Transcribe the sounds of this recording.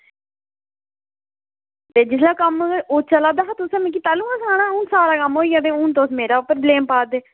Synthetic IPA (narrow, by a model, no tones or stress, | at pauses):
t̪eːd͡ʒɪslaːkəmoːt͡ʃəlaːd̪aːɦaːt̪ʊsãːmẽk̬iːt̪aːlũːãːsaːɽ̃ãːʊ̃ːnsaːɾaːkəmoːiːãːt̪eːʊ̃ːnt̪oːsmeːɾaːʊpəɾəbleːmpaːd̪eː